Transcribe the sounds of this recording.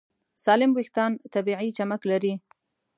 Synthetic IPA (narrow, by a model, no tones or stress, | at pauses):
sɑlɪmwɪxt̪ɑnt̪abiʕit͡ʃamaklaɾi